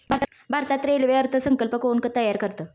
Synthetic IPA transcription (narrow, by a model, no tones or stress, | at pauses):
bʱaɾt̪ | bʱaɾt̪at̪ɾelʋeəɾt̪ʰəsəŋkəlpəkoɳkət̪əjːaɾkəɾt̪əː